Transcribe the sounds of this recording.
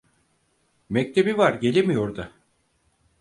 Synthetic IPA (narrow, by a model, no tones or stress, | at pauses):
mɛc̚t̪ʰe̞bivaɾɟe̞lʲemijo̞ɾd̪a